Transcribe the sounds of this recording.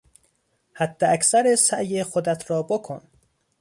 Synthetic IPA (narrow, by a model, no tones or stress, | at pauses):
hæd̪ːeʔæcsæɾesæjexod̪æt̪ʰɾɒːbokʰon